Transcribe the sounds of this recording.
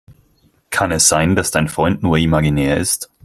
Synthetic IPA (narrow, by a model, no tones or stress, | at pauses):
kʰanɛsz̥aɪnd̥asd̥aɪnfʁ̥ɔʏntnuːɐimaɡinɛːɐɪ̰st